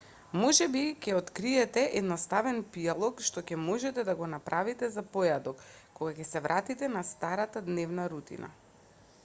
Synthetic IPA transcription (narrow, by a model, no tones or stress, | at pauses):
mɔʒɛbicʲɛot̪kɾiɛt̪ɛʔɛd̪nost̪avɛnpialˠɔkʃt̪ɔcɛmɔʒɛt̪ɛd̪aɡɔnapɾʔavit̪ɛzapɔjad̪ɔkːoɡakʲɛsɛvɾʔat̪it̪ɛnast̪aɾat̪ad̪nɛvnaɾut̪ḭna̰